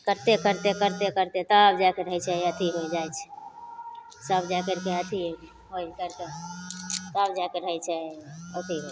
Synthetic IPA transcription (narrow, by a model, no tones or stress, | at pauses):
kəɾt̪ekəɾt̪ekəɾt̪ekəɾt̪et̪əbd͡ʒakeɾəɦjt͡ʃʰɛət̪ʰiɦojd͡ʒajt͡ʃʰɛ̥ | səbd͡ʒakəɾkeət̪ʰi | ɦojkəɾt̪e | t̪əbd͡ʒakeɾəjt͡ʃʰɛət̪ʰiɦo